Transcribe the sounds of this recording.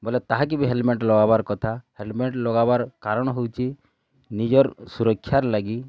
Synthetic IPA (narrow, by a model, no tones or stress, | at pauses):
bɔlet̪aɦak̬ibiɦelmeɳʈlɔɡabaɾkɔt̪ʰahelmeɳʈlɔɡabaɾkaɾɔɽ̃ɔɦowt͡ʃʰi | nid͡ʒɔɾsuɾɔkʰːjaɾlaɡi